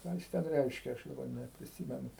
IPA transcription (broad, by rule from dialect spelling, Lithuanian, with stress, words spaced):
ˈkɑː jɪs ˈtʲɛn ˈrʲɛɪʃʲkʲɛ ˈɐʃ dɐˈbɐr nʲɛpʲrʲɪˈsʲiːmʲɛnʊ